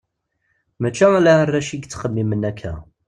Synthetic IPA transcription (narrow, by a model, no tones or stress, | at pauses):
mæt͡ʃːæælærːæʃiɡt͡sːχəmːimənækʰːæ̰